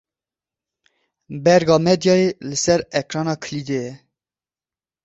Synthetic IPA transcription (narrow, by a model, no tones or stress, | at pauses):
bɛɾɡɑːmɛd̪jɑːelɨsɛɾɛkɾɑːnɑːkʰəlid̪ejɛ